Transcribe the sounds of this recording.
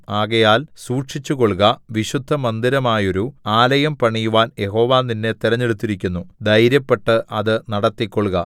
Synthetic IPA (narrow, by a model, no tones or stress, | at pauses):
aːɣɐjaːlsuːʈʂit͡ɕːuko̞ɭɣɐʋiɕud̪ʱːɐmɐnd̪iɾɐmaːjo̞ɾuaːlɐjɐmpɐɳijuʋaːnje̞ɦo̞ːʋaːnːinːe̞t̪iɾɐɲːeɽut̪ːiɾikʲːunːud̪ʱɐjɾjɐpːe̞ʈːɨʔɐðɨnɐɽɐt̪ːikʲːoɭɣɐ